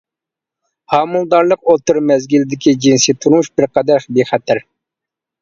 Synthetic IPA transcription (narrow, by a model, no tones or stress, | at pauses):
hɑːmulˠd̪ɑɾlˠəqot̪ɨɾmɛzɡʲilɪd̪ɪkʲid͡ʒinsit̪ʰuɾuʃbɪɾqʰɑd̪æʃbeχɛt̪ʰɪɾ